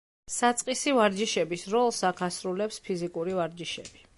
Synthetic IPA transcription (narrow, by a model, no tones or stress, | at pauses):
sat̪sʼqʼisivaɾd͡ʒiʃɛbisɾɔlˠsakʰasɾulɛpspʰizikʼuɾivaɾd͡ʒiʃɛ̰b̥i